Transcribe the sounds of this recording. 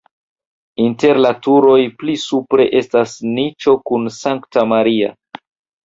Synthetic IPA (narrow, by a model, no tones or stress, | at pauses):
inte̞ɾlatuɾo̞jplisupɾe̞̰ʔe̞stasnit͡ʃo̞kunsaŋktamaɾia̰